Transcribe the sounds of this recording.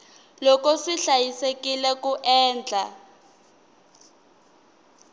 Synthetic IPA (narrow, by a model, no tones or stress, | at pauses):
lɔkɔsiɬajisekilɛkuʔɛːnd͡ɮʱa